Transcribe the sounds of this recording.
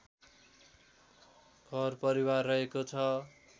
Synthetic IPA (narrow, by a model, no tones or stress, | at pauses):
ɡʱʌrpʌɾiwarːʌɦekot͡sʰʌ